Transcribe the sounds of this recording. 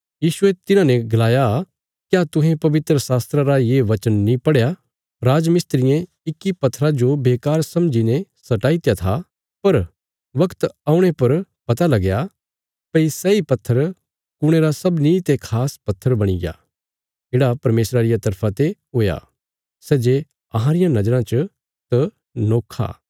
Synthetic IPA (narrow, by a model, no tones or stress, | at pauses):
jiːʃʊet̪ɪnãnɛ̃ɡɐlaːja | kjaːt̪ʊɦẽpɐʋɪt̪ɾəsaːst̪ɾaɾajeːʋɐt͡ʃənːĩpɐɽja | ɾaːd͡ʒmɪst̪ɾɪjẽ | ɪkːipɐt̪ʰːɾad͡ʒobeːkaːɾsɐ̃md͡ʒinẽsɐʈaːit̪jat̪ʰa | pɐɾ | ʋɐkt̪aːʊ̃ɽ̃epɐɾpɐt̪alɐɡja | pɐisɛipɐt̪ʰːəɾ | kʊɽ̃eɾasɐbnĩt̪ekʰaːspɐt̪ʰːəɾbɐɽ̃ḭɡja̰ː | ɪɽapɐɾmeːsɾaɾɪjat̪ɐɾpʰat̪eɦoːja̰ː | sɛːd͡ʒe | ɐɦãɾɪjãnɐd͡ʒəɾãt͡ʃə | t̪ɐ | noːkʰːa̰ː